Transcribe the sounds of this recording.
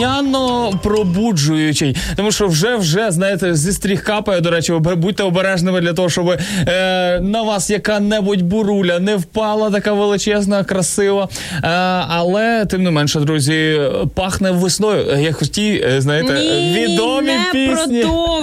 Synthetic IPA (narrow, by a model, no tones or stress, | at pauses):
anːɔpɾɔbud͡ʒʊjʊt͡ʃɪjt̪ɔmuʃt͡ʃɔwʒɛwʒɛznɑjɪt̪ɛzʲist̪ɾʲixkɑpɐjɛd̪ɔɾɛt͡ʃɪbud̚ʲt̪ɛɔbeɾɛʒnɪmɪd̪lʲɐt̪ɔɦɔʃt͡ʃɔbɪ | nɐʋɑsjɐkɑnɛbʊtʲbʊɾulʲɐnɛwpɑlˠɐt̪ɐkɑʋelˠɪt͡ʃɛznɐkɾɐsɪʋɐ | ɐlˠɛt̪ɪmnɪmɛnʃɛd̪ɾuzʲipɑxnɛwːɪsnɔjʊjɐkxɔtʲijznɑjɪt̪ɛʋʲid̪ɔmʲipʲisnʲi